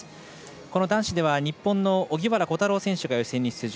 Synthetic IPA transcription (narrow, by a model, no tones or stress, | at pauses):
ko̞nod̪ãɰ̃ɕid̪e̞βaɲ̟ipːõ̞nːo̞oɡʲiβaɾako̞t̪aɾo̞ːsẽ̞ɕɨɡajosẽ̞ɲ̟ːisɨ̥t͡sɨʑ